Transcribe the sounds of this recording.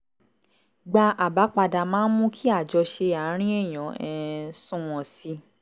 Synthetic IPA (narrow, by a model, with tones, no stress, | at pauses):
ɡ͡ba˧ʔa˨ba˨˦k͡pa˧da˧˨mãː˦n̩˦mũ˦kʰi˦a˦˨d͡ʒɔ˧ʃe˧a˨˦ɾ̃ĩ˦e˦˨j̃ɔ̃˨˦ɛ˧sũ˦w̃ɔ̃˨si˨˦